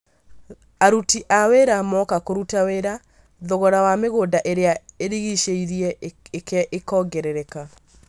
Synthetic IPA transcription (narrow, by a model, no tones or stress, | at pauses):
aɾutiʔaweɾamɔkakoɾutaweɾa | ðoɣɔɾawameɣoːdaʔeɾeaeɾiɣiʃeiɾiɛekɛʔekɔːɡɛɾɛɾɛka